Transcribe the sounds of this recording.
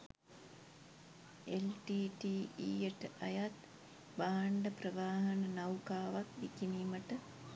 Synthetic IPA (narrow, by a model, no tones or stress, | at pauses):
elʈiːʈiːiːjeʈəʔɐjat̪ | baːɳɖəprəʋaːɦɐnənɐwkaːʋakʋikiniːməʈə